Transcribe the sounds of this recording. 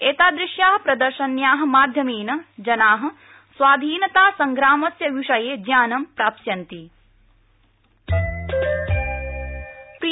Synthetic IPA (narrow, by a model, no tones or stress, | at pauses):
eːt̪aːd̪ɾɪʃjaːɦɐpɾɐd̪ɐɾʃɐnjaːɦɐ̆maːd̪ʱjɐmiːnɐd͡ʒɐnaːɦɐ̆ | sʋaːd̪ʱiːnɐt̪aːsɐŋɡɾaːmɐsjɐʋiʂɐjeːd͡ʒjaːnɐmpɾaːpsjɐnt̪i | pɾi